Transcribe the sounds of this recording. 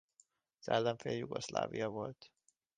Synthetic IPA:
sɛlːɛɱfeːljuɡo̞ʃla̰ːvijɒvo̞lt̪

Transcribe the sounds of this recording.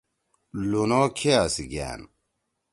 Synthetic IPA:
lunokʰeasiɡæ̰ːn

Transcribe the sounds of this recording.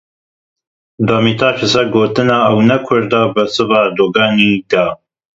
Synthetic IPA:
d̪aːmiːt̪aːʃɨsɛɡoːt̪ɨnɑːɐwnɛkʰʊɾd̪ɑːbɨsɨvɑːd̪oːɡɑːniːd̪ɑ

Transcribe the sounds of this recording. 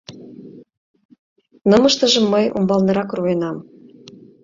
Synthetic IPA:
nɤmɤʃt̪ə̆ʒə̆mːɤjṵmbɑlnɤ̆ɾɑkruenɑm

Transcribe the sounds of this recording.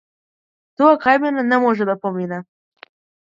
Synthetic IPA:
t̪uakɑjmenanɛmoʒɛd̪apominɛ

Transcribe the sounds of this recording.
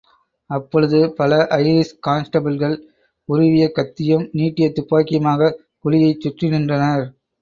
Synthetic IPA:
ɐpːɔɻɯðɯpɐlɐʔɐɪɾɪskaːnsʈɐbɐlɣɐɭ | ʊɾɪʋɪjɐkːɐt̪ːɪjɯmniːʈːɪjɐt̪ːʊpːaːkɪjɐmaːɣɐ | kʊlɪjɐɪt͡ʃːʊʈrɪnɪndrɐnɐɾ

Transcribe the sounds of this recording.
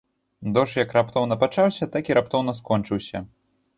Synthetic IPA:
d̪ɔʂjɐkrap̚t̪ɔwnɐpat͡ʂawsʲɐt̪akʲiɾap̚t̪ɔwnɐskɔnt͡ʂɨwsʲɐ̰

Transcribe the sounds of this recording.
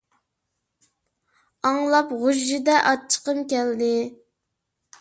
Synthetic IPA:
ɑŋlˠɑpʁoʒːɪd̪ɛʔɑt͡ʃʰːə̥qəmkʲɛld̪ɪ

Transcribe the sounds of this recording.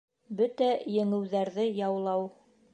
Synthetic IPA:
bɵt̪æjɘ̆ŋɘ̆wðæɾðɘjɑwlˠɑw

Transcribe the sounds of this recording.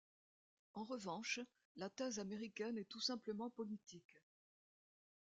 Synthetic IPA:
ɑ̃ʁəvɑ̃ʃ | lat̪ɛzameʁikʲɛnɛt̪usɛ̃pləmɑ̃pɔlit̪ʰik

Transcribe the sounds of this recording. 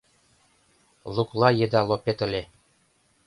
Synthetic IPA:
lˠuklˠɑjed̪ɑlˠopet̪ə̆lʲe

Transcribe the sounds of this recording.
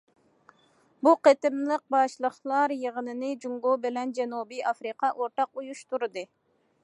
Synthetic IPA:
buqet̪ɪmlˠəq̚bɑʃlˠəχlˠɑɾjəʁənɨnɨd͡ʒuŋɡobɪlɛnd͡ʒɛnubɨjɑfɾiqɑʔoɾt̪ɑqujuʃt̪uɾɨd̪ɨ

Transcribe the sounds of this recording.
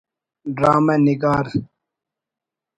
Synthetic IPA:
ɖɾaːmeniɡaːɾ

